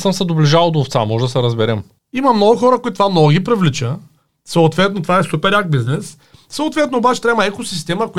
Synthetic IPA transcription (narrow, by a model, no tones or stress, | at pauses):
səmsɛd̪obliʒalˠd̪oːft̪samɔʒɛd̪ɐsɛɾɐzbɛɾɛm | imɐmnɔɡʊxɔɾəkʊit̪t̪ovamnɔɡʊɡʲipɾivlit͡ʃə | sɐʊt̪vɛt̪not̪ovaɛsupɛɾjak̚biznɛs | sɐʊt̪vɛt̪nobat͡ʃɛ̥t̪ɾaɛmɐɛkosist̪ɛməkoj